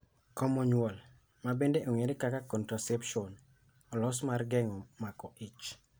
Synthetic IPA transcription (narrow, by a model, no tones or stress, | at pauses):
kɔmɔɲwɔl | mabendeʔoŋeɾekakakɔntɾɔsɛpʃɔn | ɔlɔsmarɡɛŋɔmakɔʔɪt͡ʃ